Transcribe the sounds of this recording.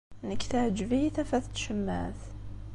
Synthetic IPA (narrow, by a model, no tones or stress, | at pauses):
nəkt̪æd͡ʒvit̪afæθt̪ʃəmːæ̰θ